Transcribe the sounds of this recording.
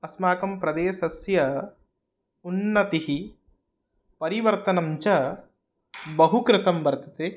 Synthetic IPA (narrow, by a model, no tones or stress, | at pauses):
ɐsmaːkɐmpɾɐd̪eːʃɐsjɐ | unːɐt̪iɦi | pɐɾiʋɐɾt̪ɐnɐmt͡ʃɐ | bɐɦukɾɪt̪ɐmʋɐɾt̪ɐt̪e